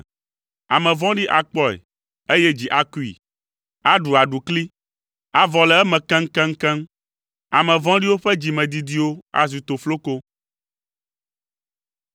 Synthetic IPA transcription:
a˨mɛ̃˨vɔ̃˦ɖi˦ʔa˨k͡pɔ˦ɛ̰˨ | e˦jɛ˦d͡ʑi˨ʔa˨ku˦ḭ˨ | a˦ɖu˨a˨ɖu˨kli˦ | a˨vɔ˨lɛ˨ɛ˦mɛ̃˨kɛ̃˦ŋ̩˦kɛ̃˦ŋ̩˦kɛ̃˦m | a˨mɛ̃˨vɔ̃˦ɖi˦wo˦ɸɛ˦d͡ʑi˨mɛ̃˨d̪i˨d̪i˦wo˦a̰˨zu˨t̪o˨flo˦ko˦

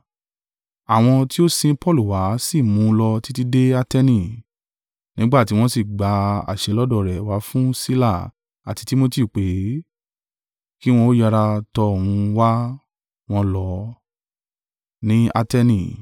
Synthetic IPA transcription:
a˨w̃ɔ̃˧ti˦o˦sĩ˧pɔ˦˨lu˨wa˨˦si˦˨mũ˨˦lɔ˧ti˦ti˦de˦a˧tɛ˧nĩ˦˨ | nĩ˨˦ɡ͡ba˦˨ti˨˦w̃ɔ̃˦si˦˨ɡ͡ba˨˧˦a̰˨ʃɛ˨˧lɔ˦dɔ˦˨ɾɛ˨wa˨˦fũ˦si˦la˦˨ | a̰˨ti˨˧ti˦mo˦ti˦˨k͡pe˨˦ | ki˦w̃ɔ̃˧o˦ja˧ɾa˧tɔ˧o˨wũ˧wa˦ | w̃ɔ̃˧lɔ˧ | nĩ˦a̰˧tɛ˧nĩ˧˨

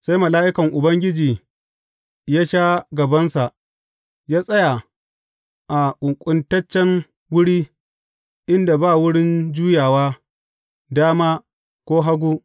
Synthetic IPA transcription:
sa˦jmɐ˨laː˦ʔɪ˦kɐ˨ŋʔʊ˨bɐ˦ŋɡʲɪ˦d͡ʒiː˨ | jaː˦ʃaː˦ɡɐ˨bɐ˦nsa˨ʔ | jaː˦sʼɐ˦ja˨ | ʔa˨ʔʊ˨ŋkʷʼʊ˦ntɐ˦t͡ʃːɛ˦ŋ | wʊ˦ɽiː˦ | ʔɪ˦nda˨baː˦wʊ˦ɽɪ˦nd͡ʒuː˦jaː˨waː˦ | daː˦maː˦ | kʷoː˦ɦa˦ɡʷu˦

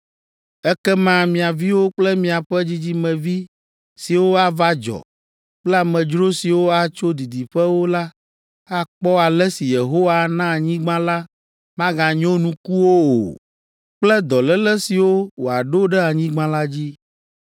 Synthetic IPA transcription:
ɛ˦kɛ˦mã˦mĩ˨a˨vi˦wo˦k͡plɛ˦mĩ˨a˨ɸɛ˦d͡ʑi˦d͡ʑi˦mɛ̃˨vi˦ | si˨wo˦a˨va˦d͡ʒɔ̰˨ | k͡plɛ˦a˨mɛ̃˨d͡ʒɾo˦si˨wo˦a˨t͡ʃo˦d̪i˨d̪i˨ɸɛ˦wo˦la˦ | a˦˨k͡pɔ˦a˨lɛ˦si˨je˨ɦo˦wa˦nã˦˨ɲĩ˦ɡ͡bã˦la˦ | mã˦ɡã˨ɲɔ̃˦nũ˨ku˦wo˦o̰˨ | k͡plɛ˦d̪ɔ˨lɛ˦lɛ˦si˨wo˦wo˨a˨ɖo˦ɖɛ˦a˨ɲĩ˦ɡ͡bã˦la˦d͡ʑi˦

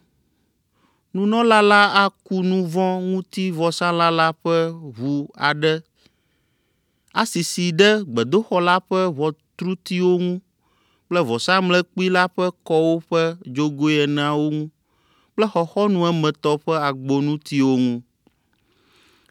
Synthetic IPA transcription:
nũ˦nɔ̃˦la˦la˦a˦ku˦nũ˦vɔ̃˦ŋũ˦t̪i˦vɔ˨sã˦la˦la˦ɸɛ˦βu˨a˨ɖɛ˦ | a˨si˨si˨ɖɛ˦ɡ͡bɛ˨d̪o˦xɔ˦la˦ɸɛ˦βɔ˨t̪ɾu˦t̪i˦wo˦ŋũ˦ | k͡plɛ˦vɔ˨sã˦mlɛ˦k͡pi˦la˦ɸɛ˦kɔ˦wo˦ɸɛ˦d͡ʒo˦ɡo˦ɛ˨ñ˨ã˨wo˦ŋũ˦ | k͡plɛ˦xɔ˨xɔ˦nũ˦ɛ˦mɛ̃˨t̪ɔ˦ɸɛ˦a˨ɡ͡bo˨nũ˦t̪i˦wo˦ŋũ˦

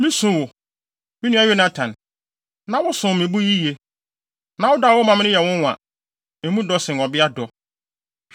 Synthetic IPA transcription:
mĩ˦sʊ̃˦wʊ˨ | mɪ̃˦nũ˦a˦je˦nã˦tʰã˨n | nã˨wʊ˦sʊ̃˨mɪ̃˨bu˦ji˦je˨ | nã˨wʊ˦daː˨wʊ˦mã˨m̃˦ɪ̃˦jɛ˨wʊ̃˦n˨ã̰˨ | ẽ˨mũ˦dɔ˦sɪ̃˨ŋɔ˨bɪ˦a˦dɔ˨

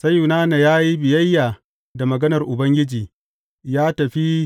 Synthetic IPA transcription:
sɐ˦jːu˨naː˦na˨jaː˦ji˦bɪ˨jɐ˦jːaː˨ | da˨mɐ˨ɡɐ˦nɐ˨rʔʊ˨bɐ˦ŋɡʲɪ˦d͡ʒiː˨ | jaː˦tɐ˨ɸi˦

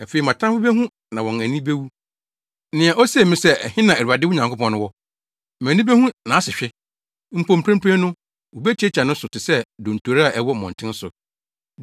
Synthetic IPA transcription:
a˨fe˨i˨mã˨tʰã˦fʊ˦be˦ɦũ˦ | nã˨wɔ̃˨næ˨nĩ˦be˦wu˦ | nɪ̃˨a˨ʔɔ˦sɛ˦˨˦mĩ˦sɛ˦ɛ˨hɪ̃˦nã˨æ˨u˨a˨dɪ˦ɲã˨ŋkʰo˦pɔ̃˦nʊ̃˦wɔ˦ | m˨æ̃˨nĩ˦be˦hũ˦nã˨a˦sɪ˨ɕᶣɪ˦ | m̩˨pʰõ˨m˨pʰɾɛ̃˦mpʰẽ˦nʊ̃˦ | wo˨be˦t͡ɕʰɛ˦t͡ɕʰa˨nʊ̃˦sʊ˨tɪ˨sɛ˦dõ˨n̩˨tʰo˨ɾa˦a˨ʔɛ˦wɔ˦˨mɔ̃˨ntʰɪ̃˦n˦sʊ˨

